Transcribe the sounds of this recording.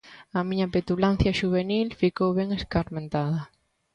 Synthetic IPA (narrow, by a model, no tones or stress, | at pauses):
ɐmĩɲapet̪ulan̟θjaʃuβ̞enilfikowβeŋeskaɾmẽnt̪aðɐ